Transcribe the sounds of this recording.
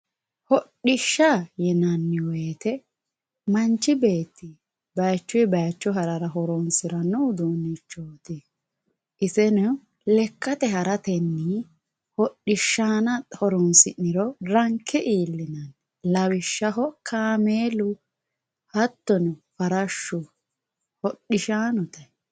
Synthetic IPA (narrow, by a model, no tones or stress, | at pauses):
hɔɗɪʃːajɛnɐnːɪweːt̪ɛ | mɐnt͡ʃːɪbe̞ːt̪ːɪ | bɐjt͡ʃːɔjɛbɐjt͡ʃːɔɦɐɾɐɾɐɦɔɾɔnsɪɾɐnɔʊd̪uːnɪt͡ʃːoːt̪ɪ | ʔɪsɛnɛ | lɛkʰːɐt̪ɛɦɐɾɐt̪ɛnːi | hɔɗːɪʃːaːnɐhɔɾɔnsɪnːɪɾɔɾɐŋkʰːɛʔiːlːɪnɐn | lɐwɪʃːɐɦɔkʰaːmeːlʊ | hɐt̪ːɔnʊfɐɾɐʃːʊ | hɔɗɪʃaːnɔt̪ɐj